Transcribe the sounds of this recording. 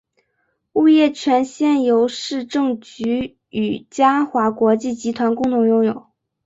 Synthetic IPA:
u˥˧jɛ˥˩t͡ɕʰɥɛ˧˥nɕjɛ˥˩njo˧˥ʊʂɻ̩˥˧ʈ͡ʂɤ˥˩ŋt͡ɕy˧˥ | y˨˩t͡ɕja˥xwa˧˥kwɔ˧˥t͡ɕi˥˩t͡ɕi˧˥t̪ʰwa˧˥nkʊ˥˩ŋt̪ʰʊ˧˥ŋjʊ˥˩ŋjo˨˩˦

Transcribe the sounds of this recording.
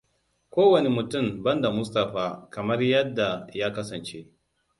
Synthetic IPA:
kʷoː˦wɐ˨ne˨mʊ˨tʊ˦˨mbɐ˦nda˨mʊ˦stɐ˨ɸaː˨kɐ˨mɐ˦rjɐ˦dːa˨jaː˦kɐ˦sɐ˨nt͡ʃe˦ʔ

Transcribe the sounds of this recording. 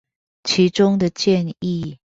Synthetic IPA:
t͡ɕʰi˨˧˥ʈ͡ʂʊ˥ŋd̪ə˨t͡ɕjɛ˥˧ni˥˨

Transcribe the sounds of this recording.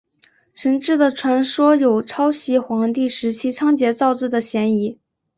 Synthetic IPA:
ʂʰə˧˥nʈ͡ʂɻ̩˥˩d̪ə˩ʈ͡ʂʰwa˧˥nʂwɔ˥jo˨˩ʊʈ͡ʂʰɑ˥ʊɕi˧˥xwɑ˧˥ŋt̪i˥˩ʂɻ̩˧˥t͡ɕʰi˥t͡sʰɑ˥ŋt͡ɕjɛ˧˥t͡sɑ˥˧ʊʈ͡ʂɻ̩˥˩d̪ə˩ɕjɛ˧˥ni˧˥

